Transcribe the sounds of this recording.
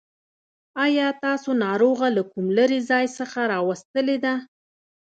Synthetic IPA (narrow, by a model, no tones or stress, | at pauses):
ɑjɑt̪ɑsonɑɾoɣalakumləɾizɑjsəxaɾɑwast̪əled̪a